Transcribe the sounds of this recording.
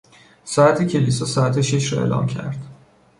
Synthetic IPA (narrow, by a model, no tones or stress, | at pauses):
sɒæt̪ʰecʰe̞lisɒːsɒːæt̪ʰeʃeʃɾɒe̞̰ːlʔɒ̰ːmcʰæ̰ɾd̪̥